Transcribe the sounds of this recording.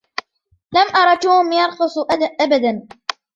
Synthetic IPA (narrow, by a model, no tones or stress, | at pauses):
lamʔɑɾˤɑt̪ːuːhʊmjɑɾˤqʊsˤʔaʔabad̪an